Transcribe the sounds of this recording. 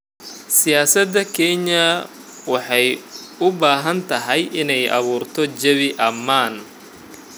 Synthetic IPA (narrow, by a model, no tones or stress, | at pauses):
sɪjaːsɐd̪ɐkʰɛɲɐ | wɑħɑjʊbaːɦɐnt̪ʰɐɦɛjʔɪnɛjʔɐ̰βuːrt̪ʰɔt͡ʃɐβɪʔɐmːaːn